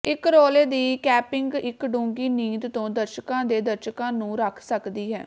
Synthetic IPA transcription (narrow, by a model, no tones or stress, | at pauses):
ɪkɾoːleːd̪iːkɛːpɪŋɡɪkɖũːŋɡiːniːd̪t̪õːd̪əɾʃəkãːd̪eːd̪əɾʃəkãːnũːɾəkʰsəkd̪iːɦɛ̰ː